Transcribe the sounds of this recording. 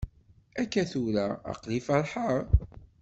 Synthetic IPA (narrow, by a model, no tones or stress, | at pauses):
ækːæθuɾa̰ːqlifɑɾˤħəɾˤ